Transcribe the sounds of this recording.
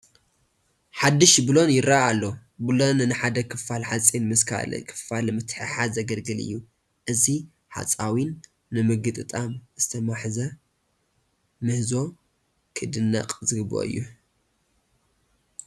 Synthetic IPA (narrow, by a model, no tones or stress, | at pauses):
ħad̪ːɨʃbɨlo̞njɪɾaalːobɨlo̞nnɨħad̪ɐkʰɨfalħat͡sʼenmɨskʰa̰l̰kʰɨ̥falmɨt̪ħɨħazɐɡɐlɡɨlɨ̰jːu | ʔɨzi | ħa̰t͡sʼawinː | ɨmɨɡɨt̪ʼɨt̪ʼamz̥ɨt̪ʰɐmaħzɐ | mɨhzo̞ | kʰɨd̪ɨnːɐ̰qʼzɨɡɨbo̰ɨ̰jːu